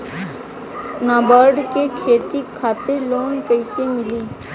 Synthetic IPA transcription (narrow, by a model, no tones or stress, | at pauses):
naːbəɾɖkekʰeːt̪ikʰaːt̪eloːnpəɪsemɪliː